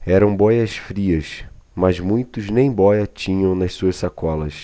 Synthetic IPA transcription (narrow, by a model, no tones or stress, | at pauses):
ɛɾɐ̃w̃bɔjɐsfɾiɐsmɐzmũj̃t̪ʊznẽj̃bɔjɐt͡ʃĩɲɐ̃w̃nɐssuɐssakɔlɐs